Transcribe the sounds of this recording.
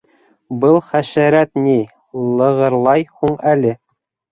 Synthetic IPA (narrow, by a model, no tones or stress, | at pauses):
bɤlˠχæʃæɾæt̪ni | lˠɤ̆ʁɤ̆ɾlˠɑjhuɴælɘ